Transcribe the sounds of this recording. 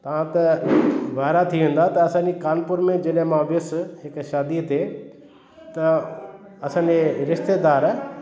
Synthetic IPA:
t̪ɐʋ̤ãt̪ɐʋaːɪɾat̪ʰiʋẽːn̆d̪at̪ɐːsãːɲd͡ʑekaːnpʊɾmẽd͡ʑɐlɦmãʋɪsɦɪkʃaːd̪it̪ʰe | t̪ɐ | ɐsãːɲd͡ʑeɾɪʃt̪eːd̪aːɾ

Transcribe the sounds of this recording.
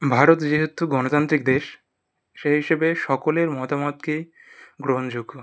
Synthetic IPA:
bʱaɾot̪d͡ʑeɦot̪uɡɔnot̪ant̪ɾik̚d̪eʃ | ʃeɦiʃebeʃɔkoleɾmɔt̪amɔt̪kej | ɡɾoɦond͡ʑuɡːo

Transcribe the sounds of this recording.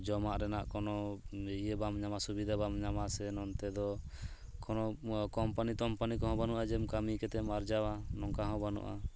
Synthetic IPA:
d͡ʒɔmaʔɾɛnaʔkɔnɔjebamɲamasubid̪ʱabamɲamasɛnɔnt̪ɛd̪ɔ | kʰɔnɔkɔmpanit̪ɔmpanikɔɦɔ̃banuʔad͡ʒɛmkamikɛt̪ɛmaɾd͡ʒawanɔŋkaɦɔ̃banṵʔa̰

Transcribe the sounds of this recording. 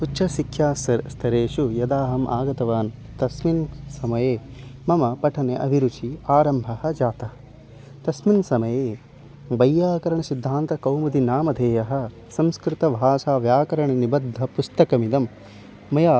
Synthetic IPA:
uːʃɐsikʰːjaːst̪ʰɐɾeːʂujɐd̪aːɦɐmʔa̰ːɡɐt̪ɐʋaːn | t̪ɐsminsɐmɐjeːmɐmɐpɐʈʰɐneʔɐ̰bʱiɾut͡ʃiaːɾɐmbʱɐhɐ̆d͡ʒaːt̪ɐɦɐ | t̪ɐsminsɐmɐjeː | bɐjːaːkɐɾɐɳɐsid̪ʱːaːnt̪ɐkɐwmɐd̪inaːmɐd̪ʱeːjɐɦɐ̆ | sɐmskɾɪt̪ɐʋʱaːʃaːʋjaːkɐɾɐɳinibɐd̪ʱːɐpust̪ɐkɐmid̪ɐmː | ɐjaː

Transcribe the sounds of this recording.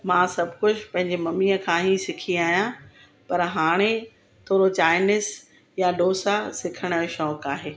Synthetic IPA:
mãːsɐbʱkʊd͡ʑʰʱpɐ̃ɦɪ̃ɲd͡ʑemɐmiːəkʰãːɦisɪkʰiaːɦijã | pɐɾɦaːɽ̃e | t̪ʰoːɾot͡ɕaːɪnɪs | jaɗoːsasɪkʰəɽ̃əʃɔːkaːɦeː

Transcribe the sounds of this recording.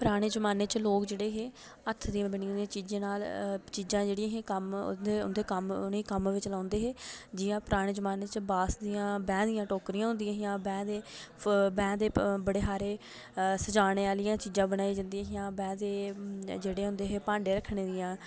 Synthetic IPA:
pɾaːɽ̃eːd͡ʒəmaːneːt͡ʃloːkd͡ʒeːɽeːɦeː | ət̪ʰd̪iãːbənĩãd̪iãːt͡ʃiːd͡ʒãːnaːlt͡ʃiːd͡ʒãːd͡ʒeːɽijãːɦẽːkəm̰d̪eʊ̰nd̪eːkəmniːkəmʋɪt͡ʃlãːnd̪eːɦeːd͡ʒɪjãːpɾaːɽ̃eːd͡ʒəmaːneːt͡ʃbaːsd̪ijãːbɛ̃ːd̪ɪjãːʈoːkɾiːãːɦʊnd̪ijãːɦɪjãːbɛ̃ːd̪eː | bɛ̃ːd̪eːbəɽeːɦaːɾeː | səd͡ʒaːneːaːlɪjãːt͡ʃiːd͡ʒãːbəɽaːiːd͡ʒãnd̪iãːɦɪjãːbɛ̃ːd̪eːd͡ʒeːɽeːɦʊ̃nd̪eːɦeːpãːɳɖeːɾəkʰɳeːd̪ijãː

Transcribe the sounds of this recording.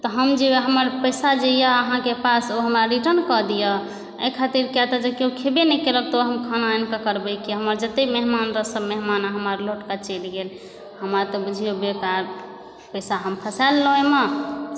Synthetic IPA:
t̪ɔɦəmd͡ʒeeɦəməɾpəjsad͡ʒəjəəɦãkepasoɦəmɾaɾiʈəɾnkɔd̪ijə | əjkʰat̪iɾkɛt̪ad͡ʒekeũkʰebenɛkelək̚t̪oɦəmkʰənaenkakəɾbəjkiɦəməɾd͡ʒət̪emeɦmanɾəsəbmeɦmanaɦəməɾloʈkat͡ʃelɡel | həmɾat̪ɔbud͡ʒʱijobekaɾ | pəjsaɦəmpʰəsalloeme

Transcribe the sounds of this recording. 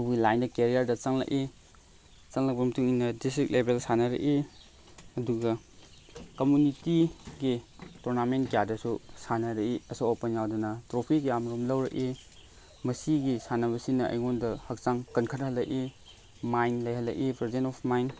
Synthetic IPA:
ubilajndɐkeɾijaɾdɐt͡ʃɐŋlɐ̰kʔi | t͡ʃɐŋlɐk̚pɐmɐtʰuŋinɐdistɾik̚lebelsanɐɾɐ̰ki | ɐduɡɐ | komjunitiɡituɾnamentkejadɐsusanɐɾɐiɐsawopɐnjawdɐnɐtɾopʰikjamɾumlɐwɾɐʔi | mɐsiɡisanɐβɐsinːɐʔɐ̰jŋondɐhɐk̚t͡ʃaŋkɐnkʰɐt̚hɐlːɐʔi | majnlɐjhɐlːɐkipɾezentɔpʰmajn

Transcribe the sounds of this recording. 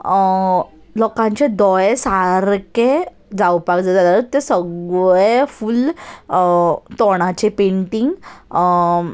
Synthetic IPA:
lɔkãɲt͡ɕed̪ɔjesaɾke | d͡zawpakd͡zad͡zalalɔt̪esəɡefuːl | t̪ɔɽ̃at͡ɕepeɳʈiŋɡ

